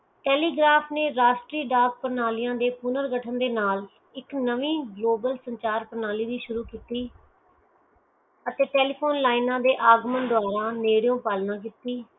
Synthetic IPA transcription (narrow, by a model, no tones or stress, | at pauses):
ʈɛːliːɡɾaːpʰneːɾaːʃʈɾiːɖaːɡ̚pəɾnaːlɪjãːd̪eːpʊnəɾɡəʈʰənd̪eːnaːl | ɪknəʋiːɡloːbəlsəɲt͡ʃaːɾpəɾnaːliːd̪iːʃʊɾuːkiːt̪iː | ət̪eːʈɛːliːpʰoːnlaːinãːd̪eːʔaːɡmənd̪ʊaːɾãːneːɽɪjõːpaːlnãːk̬iːt̪iː